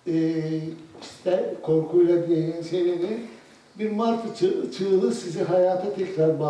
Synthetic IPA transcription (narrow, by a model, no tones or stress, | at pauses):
ɛː | i̥st̪ʰɛkʰo̞ɾkʰujlˠad̪ijejinsejɾini | biɾmaɾt̪ʰt͡ʃʰt͡ʃʰɯɯlˠɯsiziɦajaːt̪ʰat̪ʰɛcɾaɾba